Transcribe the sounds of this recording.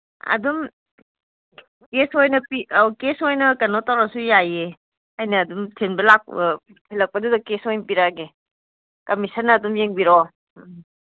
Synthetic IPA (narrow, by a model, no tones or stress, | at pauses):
ɐ̰dum | kesojnɐpikesojnɐkɐnotawɾasujaje | ajnɐːdumtʰenbɐlak̚ | pʰilɐk̚pɐdudɐkesojnpiɾaɡe | kɐmisɐnɐːdumjeŋbiɾɔ